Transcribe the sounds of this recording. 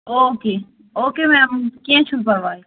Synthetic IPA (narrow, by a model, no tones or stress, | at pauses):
oːkeː | oːkeːmɛ̃ːmkẽːt͡ʃʰulpəɾʋaːe